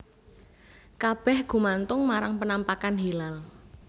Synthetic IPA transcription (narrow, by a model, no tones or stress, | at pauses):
kab̥ɛhɡ̥ṳmant̪ʊŋmaɾaŋpənampakanɦilal